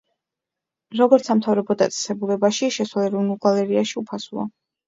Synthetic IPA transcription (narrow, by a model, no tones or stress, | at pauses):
ɾɔɡɔɾt̪samt̪ʰavɾɔbɔd̪a̰t̪sʼɛ̥sɛbulɛbaʃiʃɛswalɛɾɔvnulˠɡalɛɾiaʃiupʰasua̰